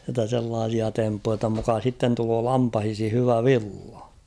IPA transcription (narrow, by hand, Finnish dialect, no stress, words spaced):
jotːɑ selːɑːsiɑ tempːujɑ jotːɑ mukɑ sitːen tuloː lɑmpɑhishi hyʋæ ʋilːɑ̥